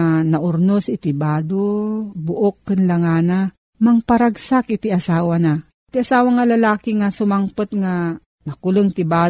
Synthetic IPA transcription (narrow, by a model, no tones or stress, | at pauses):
anɐʔʊɾnosɪt̪ɪbaːd̪obʊʔokːɨnlaŋaːna | mɐŋpaɾaɡsakɪt̪iʔasaːwana | t̪iasaːwaŋalɐlaːkiŋasʊmaŋpot̪ŋa | nɐkʊlɨŋt̪ɪbaː